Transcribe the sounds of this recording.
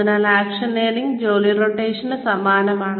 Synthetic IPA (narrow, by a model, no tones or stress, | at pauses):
inɐlaːkʂɐneːɾiŋɡd͡ʑoːliɾoːʈeːʂɐnsɐmaːnɐmaːɳ